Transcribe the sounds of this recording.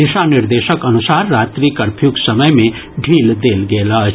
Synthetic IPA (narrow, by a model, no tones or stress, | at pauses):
d̪isaniɾd̪esəkənusaɾːat̪ɾikəɾpʰjuɡsəməjmẽ | ɖʱiːld̪elɡeləɦ